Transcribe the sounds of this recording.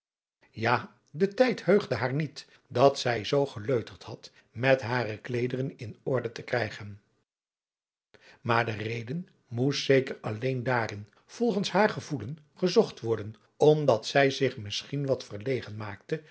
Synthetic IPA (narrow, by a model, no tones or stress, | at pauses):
jaː | dətɛjthøɥχdəɦaːɹnit | dɑtsɛjzowχəløɥtəɹthɦɑt | mɛtɦaːɾəklejdərənɪnɔɹdətəkrɛjχən | maːɹdərejdən | mustsejkərɑlejndaːɾɪn | v̥ɔlˠχənsɦaːɹχəvulən | χəzɔχtʋɔɹdən | ɔmdɑtsɛjzɪχmɪsχinʋɑtfəɹlejχənmaːk̚tə